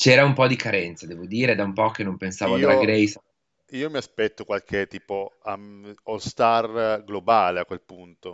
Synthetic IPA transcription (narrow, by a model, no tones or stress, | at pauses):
t͡ʃɛːɾaumpɔd̪ikʰaɾɛnt̪sad̪ɛːvod̪iːɾed̪aumpɔkenːompensaːvoad̪ɾaɡɾɛjs | iːomiaspɛt̪ːokwalkʰet̪ːiːpoaolst̪arɡlobaːleakːwelpunt̪o